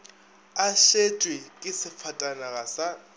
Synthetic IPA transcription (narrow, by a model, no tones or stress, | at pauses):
aʃet͡ʃʼwekʼɪsɪfʰatʼanaɣasa